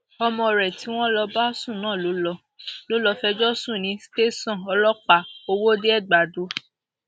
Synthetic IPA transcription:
ɔ˧mɔ̃˧ɔ˨ɾɛ˨ti˨˦w̃ɔ̃˦lɔ˧ba˦sũ˦˨nãː˦˨lo˨˦lɔ˧ | lo˦lɔ˧fɛ˧d͡ʒɔ˦sũ˦˨nĩ˨˧˦ste˦sɔ̃˦˨ɔ˧lɔ˦k͡pa˦˨o˧wo˦de˦ɛ˦˨ɡ͡ba˨do˧˦

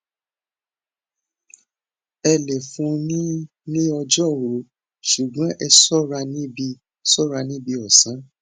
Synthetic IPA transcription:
ɛ˧le˨fũ˧˦nĩ˦ | nĩ˦ɔ˧d͡ʒɔ˦˨wo˨˦ | ʃu˨ɡ͡bã˨˦ʔɛ˧sɔ˦ɾa˧nĩ˦bi˧ | sɔ˦˨ɾa˧nĩ˦bi˧ɔ˨sã˨˦

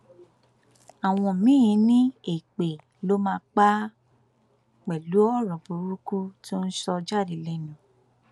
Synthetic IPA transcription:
a˨w̃ɔ̃˧˨mĩ˦ĩ˧˦nĩ˦e˦˨k͡pe˨ | lo˦mãː˧k͡pa˦ | k͡pɛ˨lu˨˦ɔ˦˨ɾɔ̃˨bo˧ɾu˦ku˦to˦n̩˦ʃɔ˧d͡ʒa˦˨ɾi˨lɛ˧nã˨

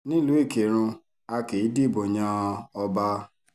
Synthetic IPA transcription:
nĩ˦lu˨˦e˦˨ke˨ɾ̃ũ˧ | a˧ke˨i˦di˦˨bo˨ɲã˧ɔ˧ba˧

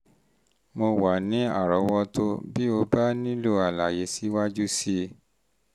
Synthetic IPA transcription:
mo˧wa˨nĩ˨˦a̰˦˨ɾɔ˨˧˦wɔ˦to˦bi˦o˧ba˦nĩ˦lo˦a˨la˨je˨˦si˨˦wa˦d͡ʒu˦si˦

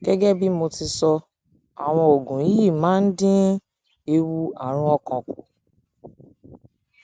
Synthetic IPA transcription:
ɡ̥ɛ˦ɡɛ˦bi˦mo˧ti˧sɔ˧ | a̰˨w̃ɔ̃˧o˨ɡũ˨i˦ji˦˨mãː˨˦n̩˦dĩ˦ | e˧wu˧a̰˨ɾ̃ũ˧˦ɔ˧kɔ̃˨ku˨

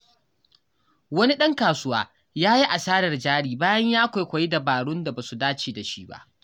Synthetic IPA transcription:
wɐ˦ni˦ɗɐ˦ŋkaː˨sʊ˦waː˦ | jaː˦ji˦ʔa˨saː˦ɽɐ˨rd͡ʒaː˦ɽiː˦baː˦jɐ˦ɲjaː˦kʷa˨jkʷa˨ji˦da˨baː˨ɽʊ˦nda˨ba˨su˨daː˦t͡ʃeː˨da˨ʃiː˦ba̰˦ʔ

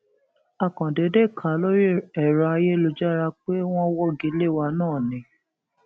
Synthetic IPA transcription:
a˨kɔ̃˨de˨˦de˦˨kʰa˨˦lo˦ɾi˦ɛ˨ɾa˧˦je˦lo˧d͡ʒa˦ɾa˧k͡pe˦w̃ɔ̃˦wɔ˦ɡi˨˦le˦˨wa˧nãː˦˨nĩ˧˦

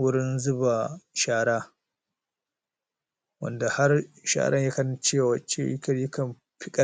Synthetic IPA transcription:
wʊ˦ɾɪ˦nzʊ˦ba˨ʃaː˦ɽaː˦ | wɐ̰˦nda˨ha˦rʃa̰ː˦˨ɽʔɐ̰˦ɲja˦kɐ˦n˦t͡ʃeː˦˨waː˨t͡ʃe˦ji˦kʲɐ˦˨ɾjʊ˦kɐ˨m | ɸɪ˦kʼɐ˦

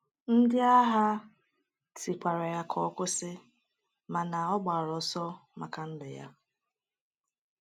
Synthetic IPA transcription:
n̩˦dɪ˦a˦ɦa˦ | ti˨kʷa˨ɾa˨ja˦kʰɔ˦kʷʊ˦sɪ˦ | ma˨na˨ɔ˦ɡ͡ba˨ɾɔ˨sɔ˦ma̰˨ka˨n̩˦dɪ˨ja̰˦

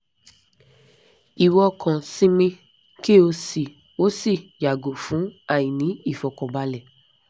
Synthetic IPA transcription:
i˨wɔ˧kʰɔ̃˨sĩ˧mĩ˧ | ki˦o˧si˨ | o˨˦si˦˨ja˨ɡo˨fũ˨˦a˦˨jĩ˨nĩ˨˦i˦˨fɔ˨kɔ̃˨ɡ͡ba˧lɛ˨

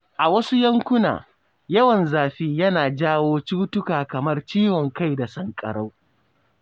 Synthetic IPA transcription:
ʔa˨wɐ˦su˦jɐ˦ŋkʷʊ˦na̰ː˨ | jɐ˦wɐ˨nzaː˨ɸiː˦jɐ˦naː˨d͡ʒaː˦woː˦t͡ʃʊ˦tʊ˦kaː˨kɐ˨mɐ˦rt͡ʃiː˦wɔ˨ŋka˦jda˨sɐ˦ŋkʼɐ̰˨ɽa˦w

